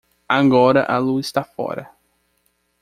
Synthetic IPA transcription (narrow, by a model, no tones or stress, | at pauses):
aɡɔɾɐʔɐluzist̪afɔ̰ɾɐ̰